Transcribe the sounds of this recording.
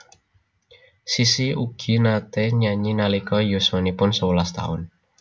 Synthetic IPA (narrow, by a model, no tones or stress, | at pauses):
sisiuɡ̥i̤nat̪eɲaɲinalikɔjo̤swanipʊnsəwulast̪a̰ʊn